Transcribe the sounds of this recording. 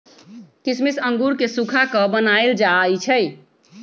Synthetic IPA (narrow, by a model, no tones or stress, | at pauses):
kismisəŋɡuɾkesukʰakɔbənajld͡ʒajt͡ʃʰəj